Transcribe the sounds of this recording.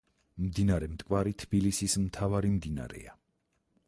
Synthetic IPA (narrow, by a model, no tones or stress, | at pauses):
md̪inaɾɛmt̪ʼkʼwaɾit̪ʰb̥ilisismt̪ʰavaɾimd̪ina̰ɾɛ̰a